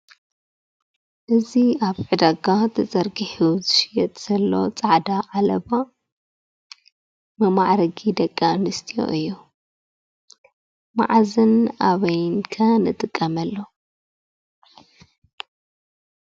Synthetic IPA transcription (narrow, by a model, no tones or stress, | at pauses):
ʔɨziaβʕɨd̪aɡat̪ʰɐt͡sʼɐɾɡiħuzɨʃijɐt̪ʼz̥ɐlːo̞̰t͡sʼaʕd̪aʔalɐβa | mɨmaʕɾɐɡid̪ɐkʼːanɨst̪ʰijo̰ʔɨjːu | ma̰ʕzɨnaβɐjnkʰɐnɨt̪ʼɨkʼːɐmɐlːo